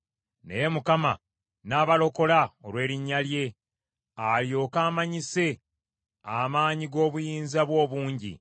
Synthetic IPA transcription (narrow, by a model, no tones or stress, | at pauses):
ne̞̰je̞mukama̰ | naːβalo̞ko̞laolwe̞ːɾiɲːalje̞ | aljo̞ːkaːmaɲise̞ | amaːɲiɡo̞ːβujiːnzaβwo̞ːβuːɲɟḭ